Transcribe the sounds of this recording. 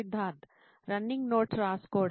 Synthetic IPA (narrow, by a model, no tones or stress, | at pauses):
ɪd̪ʱːaːt̪ | ɾɐnɪ̃ŋɡnoːʈɾaːskoː